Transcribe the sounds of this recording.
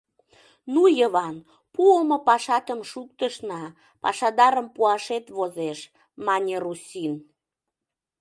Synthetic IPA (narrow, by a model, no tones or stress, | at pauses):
nujəβɑn | puəməpɑʃɑt̪əmʃuk̚t̪əʃnɑ | pɑ̰ʃɑd̪ɑɾəmpuɑʃet̪βozeʃ | mɑnʲerusʲin